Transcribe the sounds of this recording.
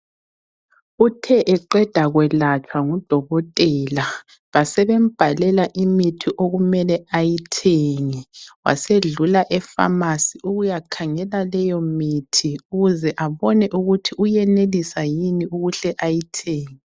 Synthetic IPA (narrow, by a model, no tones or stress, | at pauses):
utʰɛʔɛǃɛd̥ʱaɣwɛlat͡ʃʰʼwaŋud̥ʱɔɣɔtʼɛːla | βasɛβem̩b̥ʱalɛlaʔimitʰiʔoɣumɛlɛajitʰeŋiwa̰seɮulaʔɛfa̰masiuɣujakʰaŋɛlalɛjɔmitʰiuɣuzɛʔaβɔnɛʔuɣutʰiujɛnelisajiniuɣuɬɛʔajitʰeːŋi